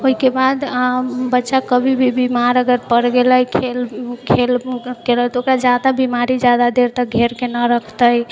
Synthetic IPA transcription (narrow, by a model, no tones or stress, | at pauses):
oikebad̪bətːʃakəbʱibʱibimaɾəɡəɾpəɽɡeləjkʰelkʰelkelət̪ɔoːkɾad͡ʒjad̪abimaɾid͡ʒjad̪ad̪eɾt̪əɡʱeɾkenəɾəkʰt̪əj